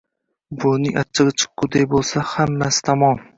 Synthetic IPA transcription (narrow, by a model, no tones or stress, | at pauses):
bʊnɪŋʔat͡ʃʰːɪʁɨt͡ʃʰɨ̥q̚ːʊd̪ajbolˠsahamːasɪ̥t̪ʰamɒm